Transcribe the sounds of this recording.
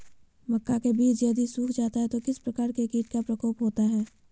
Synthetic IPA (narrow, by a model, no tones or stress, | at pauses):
mɐkːakebiːt͡ʃjɐd̪isuːkʰd͡ʒaːt̪aɦɛt̪okɪspɾɐkaːɾkekiːʈkapɾɐkoːpɦoːt̪aɦɛː